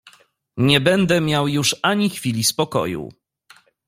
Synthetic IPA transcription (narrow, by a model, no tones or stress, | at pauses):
ɲɛbɛnd̪ɛmʲjawjuʂaɲixfʲilʲispɔkɔ̰jṵ